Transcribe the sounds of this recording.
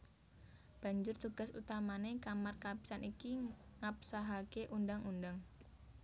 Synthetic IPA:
b̥a̤ɲd͡ʒʊrt̪uɡ̥a̤sṵt̪amanekamarkabi̥sanʔikiŋap̚saɦakeʔundaŋundaŋ

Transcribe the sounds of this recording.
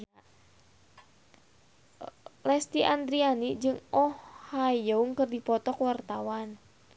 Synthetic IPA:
lɛst̪iʔand̪ɾianid͡ʒɨŋɔhhajouŋkərdipɔt̪ɔkwart̪awan

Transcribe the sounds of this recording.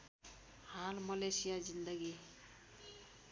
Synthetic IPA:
halmʌlesijazind̪əɡi

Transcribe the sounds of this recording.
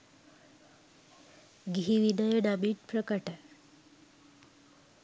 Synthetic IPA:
ɡiɦiʋinəjəɖabiʈ̚pɾəkəʈə

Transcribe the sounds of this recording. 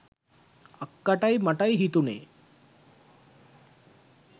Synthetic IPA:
akːaʈajmɐʈajɦit̪unḛː

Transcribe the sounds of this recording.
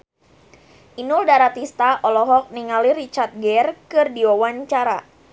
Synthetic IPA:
ʔinuldaɾat̪ist̪aʔɔlɔɦɔk̚niŋaliɾit͡ʃart̪̚ɡɛrkɨrdiɔwaɲt͡ʃaɾa

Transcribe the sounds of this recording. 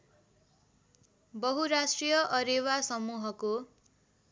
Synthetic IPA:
bʌɦuɾasʈrijʌʔʌɾewasʌmuɦʌko

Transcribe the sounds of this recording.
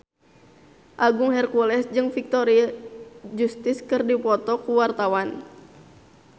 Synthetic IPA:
ʔaɡuŋɦɛrkulɛsd͡ʒɨŋfik̚t̪ɔɾiad͡ʒust̪iskɨrdipɔt̪ɔkuwart̪awan

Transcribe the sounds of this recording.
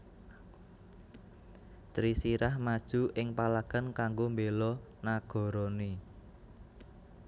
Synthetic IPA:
t̪ɾisiɾahmad̥ʒ̥ṳʔɪŋpalaɡ̥a̤nkaŋɡombelɔ | naɡ̥ɔ̤ɾoni

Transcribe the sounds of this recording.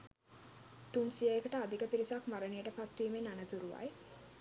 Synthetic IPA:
t̪unsiəjekəʈəad̪ikəpiɾisakmaɾənijəʈəpat̪ːiːmenanət̪uɾuʋa̰j

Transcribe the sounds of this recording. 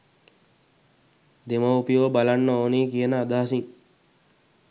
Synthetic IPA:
d̪eməupijobalanːəoːniːkijənəad̪aːasiŋ

